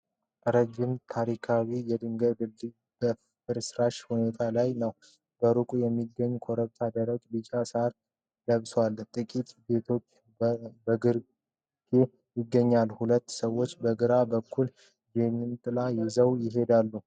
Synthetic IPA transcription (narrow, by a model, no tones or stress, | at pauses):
ɾəd͡ʒːɪmt̪ʰaɾikʰawijɛd̪ɨŋɡəd̪ɨlːi | b̥ə | fɨɾsɾaʃhune̞t̪ʰalajnəw | ɡ̥əɾukʼujɛmːiɡːəɲːkʰo̞ɾəβt̪ʰad̪əɾəɡbɨt͡ʃʼːasaɾ | ləβswalt̪ʼɨkʼit̪be̞t̪ʰo̞t͡ʃː | bəɡɨɾ | kʰe | jɪɡːəɲːalhulət̪ːsəwːo̞t͡ʃːbəɡɨɾabəkʰːul | jɛmːint̪ʼɨlajɛzəwjɪɦe̞d̪alːu